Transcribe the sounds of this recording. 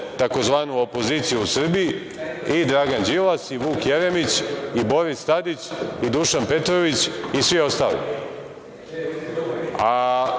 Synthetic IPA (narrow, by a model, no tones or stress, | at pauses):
t̪ako̞zʋaːnuopo̞ziːt̪sijuusr̩biji | id̪ɾaːɡand͡ʒilasiʋuːkjeɾemit͡ɕibo̞ɾist̪ad̪it͡ɕid̪uʃanpe̞t̪ɾo̞ʋit͡ɕisʋio̞st̪a̰ːlḭ | a